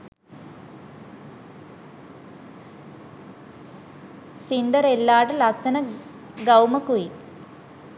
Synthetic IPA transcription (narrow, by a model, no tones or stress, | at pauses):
sind̪ɐrelːaːɽelɐsɐnɐ | ɡɐwmɐkːui